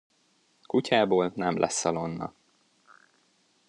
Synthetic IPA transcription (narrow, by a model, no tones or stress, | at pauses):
kucaːboːlnɛmlʔɛ̰sːɒlonːɒ̰